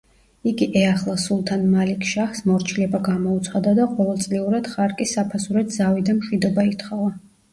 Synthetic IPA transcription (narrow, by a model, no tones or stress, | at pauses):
iɡiʔɛaχlˠasulˠt̪ʰanmalikʰʃaχsmɔɾt͡ʃʰilɛbaɡamɔut̪sʰχad̪ad̪aqʼɔlɔt̪sʼliuɾad̪̥χaɾkʼisapʰasuɾɛd̪zavid̪amʃwid̪ɔbait̪χɔva